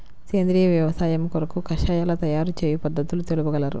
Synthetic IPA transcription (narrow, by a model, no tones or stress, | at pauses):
ke̞ːnd̪ɾiːjɐʋjɐʋɐsaːjɐmkɔɾɐkukɐʃɐjaːlɐt̪ɐjaːɾut͡ʃeːjupɐd̪ːɐt̪ulut̪elubuɡɐlɐɾṵ